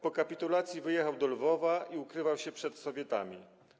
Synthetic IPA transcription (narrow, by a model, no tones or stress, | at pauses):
pɔkapʲit̪ulat̪sʲjivɘjɛxawd̪ɔlvɔvaʔiukɾɘvawɕɛpʂɛt̪sɔvʲjɛt̪a̰mʲi